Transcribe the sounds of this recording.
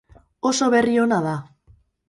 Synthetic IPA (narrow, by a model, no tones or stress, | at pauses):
o̞so̞βe̞rio̞naða